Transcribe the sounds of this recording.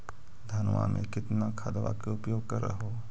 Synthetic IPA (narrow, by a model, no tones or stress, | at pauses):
d̪ʱɐnʋa̰mʔḛ̃kɪt̪nakʰad̪ʋa̰keʊpjoːɡ̚kɐɾə̰ɦo